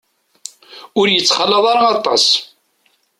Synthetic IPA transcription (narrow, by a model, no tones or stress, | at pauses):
ʊɾjət͡sːχəlːəðˤɑɾɑɑt̪ˤɑ̰s